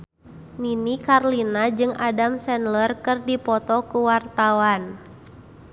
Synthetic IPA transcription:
ninikarlinad͡ʒɨŋadamsɛnlərkɨrdipɔt̪ɔkuwart̪awan

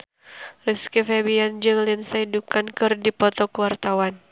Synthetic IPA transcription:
riskifɛbiand͡ʒɨŋlinsaidukankɨrdipɔt̪ɔkəwart̪awan

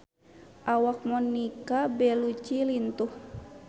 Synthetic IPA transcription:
ʔawak̚mɔnːikabɛlut͡ʃilint̪uh

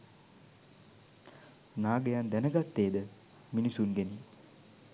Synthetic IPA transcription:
naːɡəjand̪ænəɡat̪ːeːd̪ə | minisunɡeni

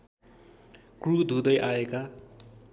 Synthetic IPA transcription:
krud̪ʱud̪ʌjʔaeka

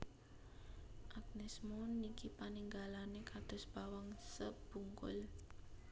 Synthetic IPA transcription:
ʔaɡ̥̚nɛsmonikipaniŋɡalanekad̪̥ʊ̤sb̥awaŋsəb̥uŋkʊ̰l

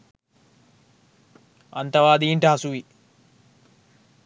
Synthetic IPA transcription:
ɐ̰nt̪ɐʋaːd̪iːɳʈɐɦɐsuʋi

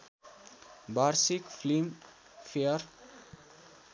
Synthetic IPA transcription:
baɾsikflim | fiəɾ

